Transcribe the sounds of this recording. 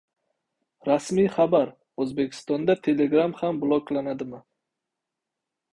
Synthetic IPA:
ɾasmijχabaɾ | ɵzbe̞kʲʰɪ̥st̪ɒnd̪at̪ʰe̞le̞ɡɾamhamblˠoklanad̪ɪmɪ

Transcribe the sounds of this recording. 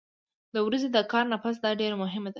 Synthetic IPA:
d̪əwɾazed̪əkɑɾnapas̬d̪ɑɖeɾamʊɦɪmad̪a

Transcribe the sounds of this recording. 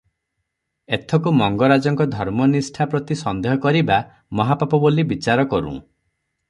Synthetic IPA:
et̪ʰɔkumɔŋɡɔɾad͡ʒɔŋkɔd̪ʱɔɾmɔnisʈʰapɾɔt̪isɔnd̪eɦɔkɔɾiba | mɔɦapapɔbolibit͡ʃaɾɔkɔɾṵ̃

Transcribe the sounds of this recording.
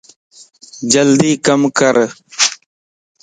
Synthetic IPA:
d͡ʒɐld̪iːkɐmkəɾ

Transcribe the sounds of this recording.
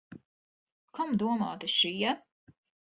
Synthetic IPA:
kamd̪uɔma̰ːt̪iʃijɛ

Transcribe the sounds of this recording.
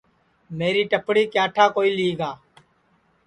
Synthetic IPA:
meːɾiːʈəpɽiːkjaːʈʰaːkoːiːliːɡaː

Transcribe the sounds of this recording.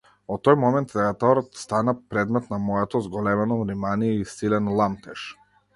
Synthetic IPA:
ɔt̪ːɔjmɔmɛnt̪d̪ɛɡat̪ɔɾɔt̪st̪anapɾɛd̪mɛt̪namɔɛt̪ɔzɡɔlɛmɛnɔvɾimaniɛisilɛnlˠamt̪ɛʃ

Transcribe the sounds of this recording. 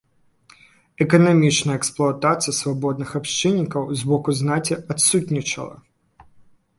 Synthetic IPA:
ɛkɐnamʲit͡ʃnɐjəɛksplˠʊat̪at̪sɨjɐsvabɔd̪̚nɨxapʃt͡ʃɨnʲːikɐwzbɔkʊznat͡sʲiat̪sutʲnʲit͡ʃɐ̰lˠɐ̰

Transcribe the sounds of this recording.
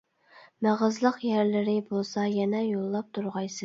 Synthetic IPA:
mæʁəzlˠəqjæɾlɪɾɪbolˠsɑjɛnɛjolˠːɑp̚t̪ʰuɾʁɑjsɨ

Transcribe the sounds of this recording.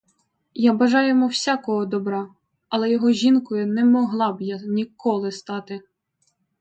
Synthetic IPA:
jabɐʒɑjʊmɔwsʲakɔɦɔd̪ɔbɾɑ | ɐlˠɛjɔɦɔʒʲinkɔjʊnɛmɔɦlˠɑbjanʲikɔlˠɪst̪ɑt̪ɪ

